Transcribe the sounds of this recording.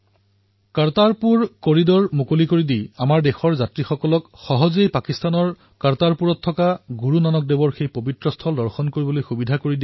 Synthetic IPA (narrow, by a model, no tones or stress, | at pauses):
kaɹtaɹpuɹkoɹidɔɹmukolikoɹidiamaɹdexɔɹzatɹixɔkɔlɔkxɔɦɔzejpakistanɔɹ | kaɹtaɹpuɹɔtʰːɔkaɡuɹunanɔk̚debɔɹxejpobitɹɔstʰɔldɔɹxɔnkoɹibɔlojxubidʱakoɹidi